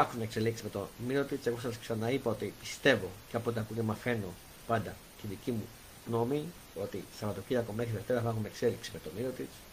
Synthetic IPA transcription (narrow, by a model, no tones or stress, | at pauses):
ɐxumeekse̞liksi̥me̞t̪o̞miɾo̞t̪it͡seɣo̞sɐsksɐnɐipɐo̞t̪ipist̪e̞vo̞ceɐpot̪iɐkucemɐfe̞no̞ | pɐnd̪ɐ | t̪iðicimu | ɣno̞mi | o̞t̪isɐvɐt̪ociðɐkomexɾiðeft̪eɾɐfɐxumekse̞liksime̞t̪o̞miɾo̞t̪it͡s